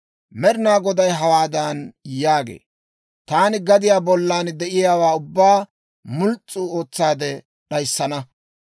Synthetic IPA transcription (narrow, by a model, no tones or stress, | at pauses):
mɛɾɪnaːɡɔd̪ɐjɦɐwaːd̪ɐnjaːɡḛː | t̪aːnɪɡɐd̪ɪjaːbɔlːaːnd̪ɛʔɪjaːwaːʊbːaː | mʊlt͡sʼːʊo̞ːt͡sːaːd̪ɛ | ɗɐjsːɐnɐ